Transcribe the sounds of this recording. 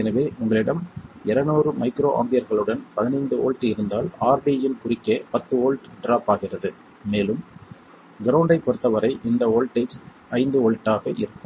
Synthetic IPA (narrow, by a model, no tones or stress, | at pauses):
ɛnɐʋeːʊŋɡɐɭɪɽɐmɛɾɐnoːrɯmɐɪkɾoːʔa̰ːmd̪ɪjɐɾɣɐɭɯɽɐnpɐðɪnɐɪnd̪ɯoːlʈːɪɾɯnd̪aːlaːɾbijɪnkʊrɪkːeːpɐt̪ːɯoːlʈɖɾaːpaːɣɪrɐðɯ | meːlɯm | ɡɪɾɐwʊɳɖɐɪpːɔɽɯt̪ːɐʋɐɾɐɪʔɪnd̪ɐoːlʈeːd͡ʒ | ɐɪnd̪ɯoːlʈːaːɣɐʔɪ̰ɾɯkːɯm